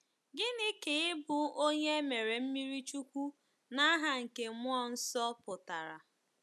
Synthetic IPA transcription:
ɡɪ˦nɪ˦kɪ˨ɪ˦bʊ˨o˦ɲe˦me˨ɾe˨m̩˦mi˦ɾi˦t͡ʃu˦kʷu˦ | na˦ɦa˨ŋ̩˨ke˨mʊ˦ɔ˦n̩˦sɔ˦pʊ˨ta˨ɾa̰˨

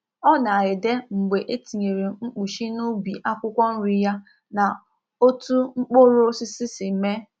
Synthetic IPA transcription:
ɔ˦na˨ɾɪ˨de˦ŋ͡m̩˨ɡ͡be˨ʔe˦ti˨ɲe˨ɾe˨ŋ͡m̩˦k͡pu˨ʃi˦nu˦bi˨ʔa˦kʷʊ˦kʷɔ˦n̩˦ɾi˦ja˦ | na˨ | o˦tu˦ŋ͡m̩˦k͡po˦ɾo˦sɪ˦sɪ˦si˨me˦

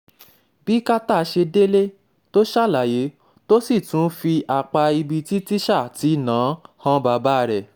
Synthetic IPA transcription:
b̥i˨˦ka˦ta˦˨˧ʃe˧de˦le˦ | to˦ʃa˦˨la˨je˨˦ | to˦si˦˨tũ˨˦fi˧ʔa˨k͡pa˧i˧bi˧ti˦ti˦ʃa˦˨ti˨˦˨nãː˨˦hã˦ba˧˨ba˦˧ɾɛ˨

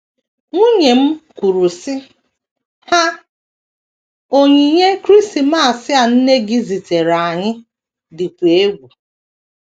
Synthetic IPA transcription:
ŋʷu˦ɲe˨m̩˦kʷu˨ɾu˨sɪ˦ | ha˦ | o˦ɲi˨ɲe˦kɾi˦sti˨ma˦a˨sɪ˦a˨n̩˦ne˦ɡɪ˦zi˨te˨ɾa˨ɲɪ˦ | dɪ˨kʷe˨e˦ɡʷu˨

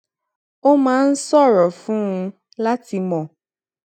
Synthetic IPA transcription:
o˦mãː˨˦n̩˦sɔ˦˨ɾɔ˨fũ˦ũ˧ | la˦ti˧mɔ̃˨

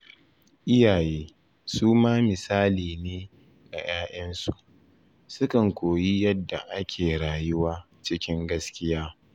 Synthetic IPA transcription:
ʔɪ˦jaː˨jeː˦ | suː˦maː˦mɪ˨saː˦liː˨neː˦ | ɡ̥a̰˨jʔaː˦ʔɐ˦nsu˨ʔ | sʊ˦kɐ˨ŋkʷoː˨ji˦jɐ˦dːa˨ʔa˦kʲʰeː˨ɽaː˨jʊ˦waː˦ | t͡ʃɪ˦kʲɪ˦ŋɡɐ˦skʲɪ˦jaː˦

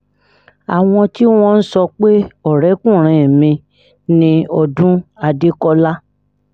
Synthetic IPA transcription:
a˨w̃ɔ̃˧ti˦w̃ɔ̃˧n̩˦sɔ˧k͡pe˦ɔ˦˨ɾɛ˨˦kũ˦˨ɾ̃ĩ˧˨mĩ˧ | nĩ˧ɔ˧dũ˦a˧de˦kɔ˧la˦

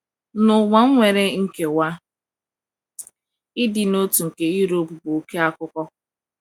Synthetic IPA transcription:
nʊ˨wa˨ŋ̩˦ŋʷe˨ɾe˦ŋ̩˦˨ke˨wa˦ | ɪ˦dɪ˨no˦tu˨ŋ̩˨ke˨i˦ɾo˦pbʊ˨o˨ke˦a˦kʊ˦kɔ˦

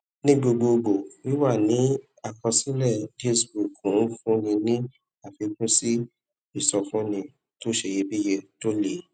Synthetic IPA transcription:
nĩ˦ɡ͡bo˧ɡ͡bo˧ɡo˨wi˨˦wa˦˨nĩ˨˦ | a˨kɔ̃˧sĩ˦lɛ˦˨de˦sbu˨kũ˨˦n̩˦fũ˦nĩ˧nĩ˦ | a˨fi˧kũ˦si˦ | i˦˨sɔ˧fũ˦nĩ˧ | to˦ʃe˧˨je˧bi˦je˧to˦le˨

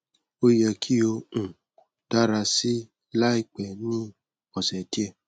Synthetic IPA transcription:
o˦jɛ˧kʰi˦o˧ũ˨ | d̥a˦ɾa˧si˦ | la˦i˧k͡pɛ˨nĩ˦ | ɔ˨sɛ˨ti˦ɛ˦˧˨

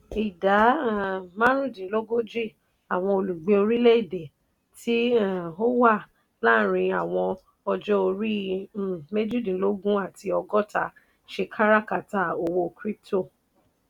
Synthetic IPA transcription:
i˨da˨˦˨mã˦ɾũ˦˨dĩ˨˦lo˦ɡo˦d͡ʒi˦˨ | a˨w̃ɔ̃˧o˧lu˨ɡ͡bẽ˧˦o˧ɾi˦le˦i˦˨de˨ | ti˦˨o˦wa˦˨ | la˦˨ɾ̃ĩ˧a˨w̃ɔ̃˧ | ɔ˧d͡ʒɔ˦o˧ɾi˦˨ | me˦d͡ʒu˦dĩ˨lo˦ɡũ˦a˦˨ti˧ɔ˧ɡɔ˦ta˧ | ʃe˧kʰa˦ɾa˦ka˦˨ta˨˦o˧wo˧kɾi˦to˦˨

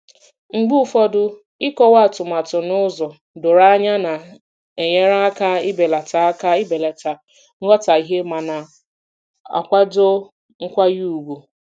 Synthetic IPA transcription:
ŋ͡m̩˨ɡ͡bu˦fɔ˦dʊ˦ | i˦kɔ˦wa˦˨tʊ˨ma˨tʊ˨nʊ˦zɔ˨ | dʊ˨ɾa˦ɲa˦na˨ | e˨ɲe˦ɾa˦a˦ka˦i˦be˨la˨ta˨a˦ka˦i˦be˨la˨ta˨ | ŋ̩˦ɡɔ˦ta˨i˨ɦe˦ma˨na˨ | a̰˨kʷa˦do˦ | ŋ̩˦kʷa˦ju˦u˨ɡʷu˨

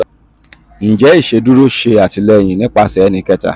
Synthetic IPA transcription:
n̩˨d͡ʒɛ˨˦i˦˨ʃe˧du˦ɾo˦ʃe˧a˨ti˧lɛ˦˨j̃ĩ˨nĩ˦k͡pa˦sɛ˨˦nĩ˧kɛ˦ta̰˨

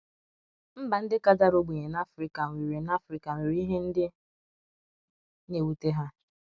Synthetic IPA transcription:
m̩˦ba˨n̩˦dɪ˦ka˦da˦ɾo˦ɡ͡be˨ɲe˨na˦fɾi˦ka˨ŋ˨i˨ɾi˨na˦fɾi˦ka˨ŋi˨ɾi˦ɦe˦n̩˦dɪ˦ | ne˨wu˦te˦ɦa˦

